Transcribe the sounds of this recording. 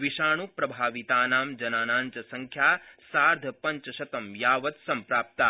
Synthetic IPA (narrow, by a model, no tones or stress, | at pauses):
ʋiʃaːɳ̃upɾɐbʱaːʋit̪aːnaːmd͡ʒɐnaːnaːnt͡ʃɐsɐŋkʰjaːsaːɾd̪ʱɐpɐɲt͡ʃɐʃɐt̪ɐmjaːʋɐt̪sɐmpɾaːp̚t̪aː